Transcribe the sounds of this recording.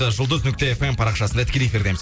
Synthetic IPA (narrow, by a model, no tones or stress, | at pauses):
əʒʊlˠd̪əznʏk̚t̪e̞efempʰɑɾɑqʃɑsənd̪ɑt̪ɪ̥kʲelejefʲiɾd̪e̞mɪz